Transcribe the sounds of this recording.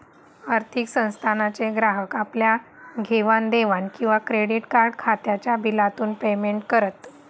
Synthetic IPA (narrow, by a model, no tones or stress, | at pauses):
aɾt̪ʰiksə̃w̃st̪ʰanat͡seɡɾaɦəkapljaɡʱeʋand̪eʋankĩw̃ʋakɾeɽiʈkaɾɽkʰat̪jat͡ɕjabilat̪uːnpemeɳʈkəɾət̪